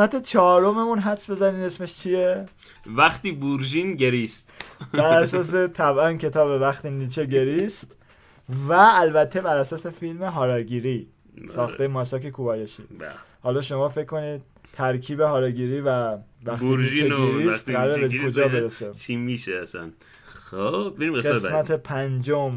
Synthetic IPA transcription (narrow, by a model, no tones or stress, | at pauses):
mæt̪et͡ʃʰɒːɾomemunɦæfsbe̞zæniːne̞sme̞ʃt͡ʃʰie | væxt̪iːbuɾʒinɟeɾist̪bæɾæsɒːs̬e̞t̪ʰæbʔæncʰe̞t̪ʰɒːbe̞væxt̪iːniːt͡ʃʰeɟe̞ɾist̪ | væːlbæt̪ʰːe̞bæɾæsɒːse̞filme̞ɦɒːɾɒːɟiːɾiː | sɒːt̪ejemɒsɒkʰekʰubɒːjeʃḭhɒːlɒːʃo̞mɒːfekkːo̞niːd̪̥̚t̪ʰæɾkʰiːbeɦɒːɾɒːɡiːɾiːvævæxiɾiʒt͡ʃieeɾit̪ɡæɾɾebekʰod͡ʒɒːbe̞ɾeset͡ʃʰimiʃeæsæ̰n | xob̚beɾimɡesɡesmæt̪ʰepʰænd͡ʒom